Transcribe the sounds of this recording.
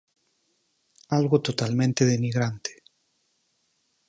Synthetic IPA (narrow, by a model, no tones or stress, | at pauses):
alɣot̪ot̪almẽnt̪eðeniɣɾant̪e̥